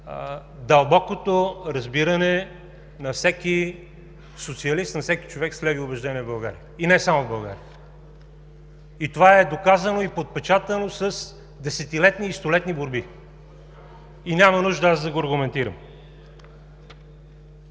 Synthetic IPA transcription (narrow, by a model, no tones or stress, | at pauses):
d̪ɐlˠbɔkot̪oɾɐzbiɾɐnɛ | nɐfsɛki | sot̪siɐlist̪nɐfsɛki̥t͡ʃovɛkslɛviobɛʒd̪ɛnʲiɛvbɐlˠɡa̰ɾiəinɛsamovbɐlˠɡa̰ɾiə | it̪ovaɛd̪okazɐnoipot̪̚pɛt͡ʃat̪ənosɐs | d̪ɛsɛt̪ilɛt̪niːst̪olɛt̪niboɾbi | inʲamɐnuʒd̪əazd̪ɐɡoɐɾɡʊmɛnt̪iɾə̰m